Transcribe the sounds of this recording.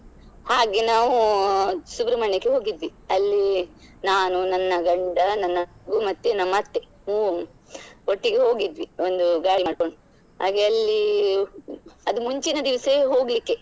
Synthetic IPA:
haːɡenaːʋu | subɾɐmɐɳːekːeɦo̞ːɡid̪ʋiɐlːi | naːnunɐnːɐɡɐɳɖɐnɐnːɐɡumɐt̪ːenɐmɐt̪ːe | uː | oʈːiɡe̞ɦo̞ːɡid̪ʋiond̪uɡaːiaːɽkoɳɖu | ha̰ːɡeɐlːi | ɐd̪umuɲt͡ʃinɐd̪iʋɐseɦo̞ːɡlikːe̞

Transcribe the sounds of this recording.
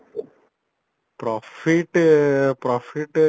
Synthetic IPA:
pɾɔfiʈpɾɔːfʰiʈ

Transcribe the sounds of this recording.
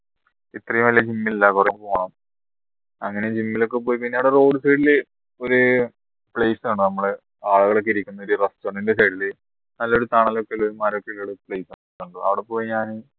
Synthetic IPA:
it̪rɐjumɐlːɐd͡ʑimːililːɐkurempoːɳɐm | ɐŋːɐne̞d͡ʑimːilo̞kːe̞po̞ːjip̬inːeɐʋiɽero̞ːɖɨsɐjɽile | o̞ɾu | pɭeːsɨaːɳɨnɐmːɐɭe | aːɭuɣɐɭo̞k̬ːeiɾikʲːunːɐoɾurɐstɐɳindes̬ɐjɽile | nɐlːɐoɾut̪aːɳalokːeilːoɾumaːɾokːeilːɐɽupɭejsa | t̪ːuɳɖuɐ̰ʋiɽepːo̞ːjiɲaːn

